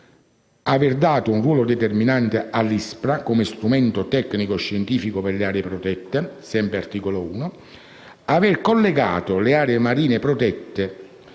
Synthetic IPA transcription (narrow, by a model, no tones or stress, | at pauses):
avɪrd̪aːt̪ounrwɔːlod̪et̪erminant̪ealːispɾakomest̪ɾumɛnt̪ot̪ɛkːnikoʃːent̪iːfikoperleaːɾeepɾot̪ɛt̪ːesɛmpɾeart̪iːkolouːno | avɪrkolːeɡa̰ːt̪oleaːɾeːmaɾiːnepɾot̪ɛt̪ːe